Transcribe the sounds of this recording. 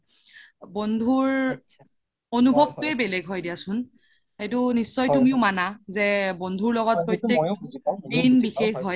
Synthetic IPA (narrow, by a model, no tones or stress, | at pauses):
bondʱuɹ | onubʱɔbtʊɛbɛlɛɡɦɔjdijasʊn | xejtʊnisːɔjtumiʊmanazɛbondʱuɹlɔɡɔt̚pɹojtjek̚dinbixexɦɔj